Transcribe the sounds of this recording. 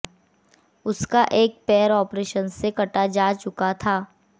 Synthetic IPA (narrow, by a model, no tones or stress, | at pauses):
ʊskaʔeːk̚pɛːəɾɔːpɾeːʃənsekɐʈad͡ʒaːt͡ʃʊkat̪ʰaː